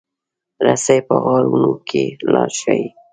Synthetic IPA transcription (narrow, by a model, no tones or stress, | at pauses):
ɾasajpəɣɑɾunokʰelɑʃai